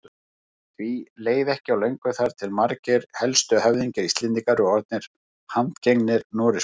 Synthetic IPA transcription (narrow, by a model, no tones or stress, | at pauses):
θvileːjðɛhcɪawlejŋkʏθaɾ̥t̪ʰɪlmaɾcɪɾ̥hɛlst̪ʏɦɛvðiɲcɪɾist̪lɪnt̪ikaɾʏɔɔɾt̪̚nɪɾ̥ | hant̪ceŋnɪɾnɔːɾɪs